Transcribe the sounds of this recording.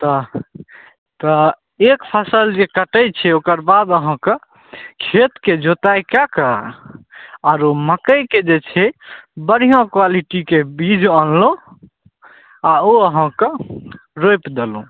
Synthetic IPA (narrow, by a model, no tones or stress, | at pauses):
t̪ɔ | t̪ɔ | ekpʰəsəld͡ʒekəʈəjt͡ʃʰɛokəɾbad̪əɦə̃kə | kʰet̪ked͡ʒot̪ajkakə | aɾoməkəjked͡ʒet͡ʃʰɛbəɽ̤ijõkwaliʈikebid͡ʒʱənlõ | aoəɦə̃kə̃ɾojpd̪elṵ̃